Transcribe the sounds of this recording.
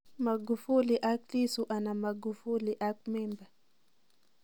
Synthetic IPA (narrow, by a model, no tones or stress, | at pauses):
maɡufuliʔaklisuʔanamaɡufuliʔakmɛmba